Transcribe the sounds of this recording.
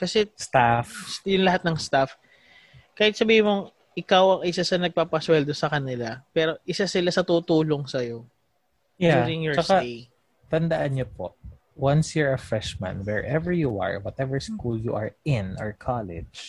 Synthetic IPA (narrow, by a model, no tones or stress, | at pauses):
kɐsɛst̪afjʊŋlɐhat̪̚nɐŋst̪af | kaːhɪt̪sɐbiːhɪmoŋ | ʔɪkawɐŋɪsasɐnɐɡ̚papɐswɛld̪o̞sɐkɐnɪlapɛːɾo̞ʔɪsasɪlasɐt̪ut̪uːloŋsɐjo̞ | jjauzɪŋjɔɹt͡ʃɐskae | t̪ɐnd̪ɐʔanɲopo̰ʔ | wɐnsjiɹɐfɹɛʃmɐ̰̃nwɛɹʔɛvɛɹjuʔa̰ɹwɐt̪ɛvɛɹskuljṵʔaɹɪ̃nɔɹkʰalɛ̰̥d͡ʒ